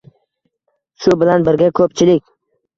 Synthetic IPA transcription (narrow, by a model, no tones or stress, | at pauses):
sʊbɪlanbɪɾɡʲakʰɵp̚t͡ʃʰɪlɪkʲ